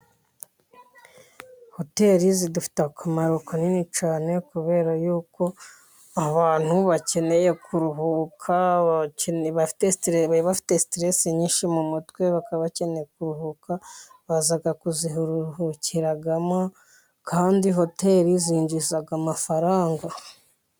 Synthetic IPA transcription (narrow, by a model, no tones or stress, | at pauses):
ho̞te̞ɾizidufi̥takʰamaɾokʰoninit͡ʃaːne̞kuβe̞ːɾajuːko̞ | aβaːn̥huβace̞ne̞je̞kʰuɾuɦukʰa | βafi̥testβafi̥te̞stɾeseɲiːnʃimumutkwe̞βakaβace̞ne̞jekuɾuɦukaβazaɡakuzihuɾuhuciɾaɡama | kʰaːndiɦo̞te̞ːɾiziːɲɟizaɡamafaɾaːŋɡa